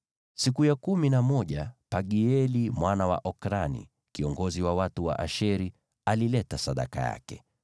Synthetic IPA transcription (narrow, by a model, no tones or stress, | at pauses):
sikujakuminamɔʄapaɠiɛlimwanawa̰ʔɔkɾanḭ | kiɔŋɡɔziwawatuwa̰ʔaʃɛɾi | alilɛtasaɗa̰ka̰ja̰kɛ